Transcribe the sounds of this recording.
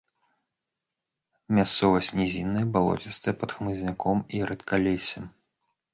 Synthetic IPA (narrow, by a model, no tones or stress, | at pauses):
mʲast̪sɔvɐsʲnʲɛzʲinːɨjbalˠɔ̰t͡sʲist̪ɨɛpɐt̪xmɨzʲnʲakʰɔmiɾɛt̪kʰalʲesʲɐm